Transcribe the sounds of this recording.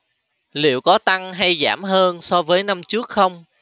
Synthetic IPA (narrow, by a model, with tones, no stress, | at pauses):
lḭ˧˨əwkɔ˨˦t̪a˧ŋɦa˧jza̰ː˧˩mɦəː˧nsɔ˧vəː˨˦jna˧mt͡ɕɨ˦˥ək̚xə˧wŋ͡m